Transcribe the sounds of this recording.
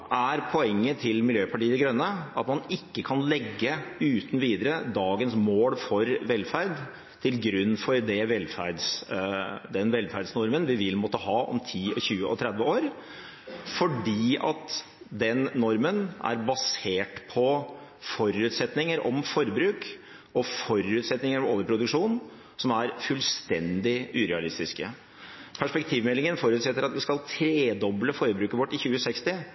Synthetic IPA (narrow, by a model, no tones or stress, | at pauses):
ʔæɾpʰɔɛŋːət̪ʰɪlmɪljøːpʰɑʈiːəd̪ɛɡɾœnːəʔɑt̪mɑnɪkːəkʰɑnlɛɡːəʉːt̪nʋiːd̪əɾəd̪ɑːɡənsmoːlfɔɾʋɛlːfæɾd̪ | t̪ʰɪlɡɾʉnːfɔɾd̪ɛʋɛlːfæ̰ɾd̪s | d̪ɛnʋɛlfæɾd̪snɔɾmənʋɪʋɪlmɔt̪ːəɦɑːɔ̰mt̪ʰiːɔ̰çʉːəʔɔ̰t̪ʰɾɛd̪ʋəoːɾ | fɔɖiːɑ̰t̪ | d̪ɛnːɔɾmənæ̰ɾbɑseːʈpʰɔ | fɔɾʉːt̪sɛt̪nɪŋəɾɔmfɔɾbɾʉːk | ɔfɔɾʉːt̪sɛt̪nɪŋəɾɔʋoːʋəɾpʰɾʊd̪ʉkʂuːn | sɔmæɾfʉlst̪ɛnd̪ɪʉːɾɛɑlɪst̪ɪskə | pʰæʂpɛkt̪ʰiːʋmɛlːɪŋənfɔɾʉːt̪sɛt̪ːəɾɑt̪ʋɪskɑlt̪ʰɾeːd̪ɔbləfɔɾbɾʉːkəʋɔʈːɪçʉːəsɛkst̪ɪ